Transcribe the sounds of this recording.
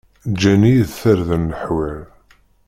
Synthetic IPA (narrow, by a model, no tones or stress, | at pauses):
d͡ʒænijðθəɾðənːəħwæl